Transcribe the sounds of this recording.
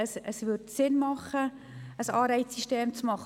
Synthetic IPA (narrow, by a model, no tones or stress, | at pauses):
əsəsʋʏɾtsɪnmɑχə | əsɑːɾɛɪssiʃteːmt͡smɑχ